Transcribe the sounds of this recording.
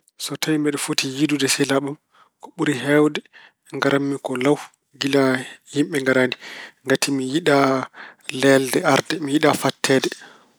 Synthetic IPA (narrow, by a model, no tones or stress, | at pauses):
sɔtawimbɛɗɛfotijidudɛsɛlaɓum | kɔɓuɾiɦɛwdɛ | ŋɡaɾamːikɔlaw | ɡilahimɓɛŋɡaɾandiŋɡatimijiɗa | lɛldɛaɾdɛmijiɗafatʰːɛːdɛ